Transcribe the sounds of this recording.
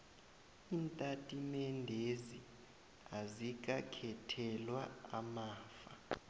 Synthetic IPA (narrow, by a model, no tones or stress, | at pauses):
iːntʼatʼimɛndʱezi | azik̬ʼakʰɛtʰɛlwaamaːfa